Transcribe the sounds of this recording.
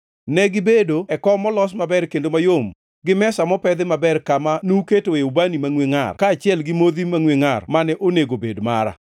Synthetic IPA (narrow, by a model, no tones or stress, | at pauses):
nɛɡɪbedoɛkɔmɔlɔs̬mabɛrkendomajom | ɡɪmɛsamɔpɛd̪ɪmabɛrkamanuketoeubanimaŋweŋa̰rkaːt͡ʃɪɛlɡɪmod̪imaŋweŋarmanɛʔoneɡobedma̰ɾa̰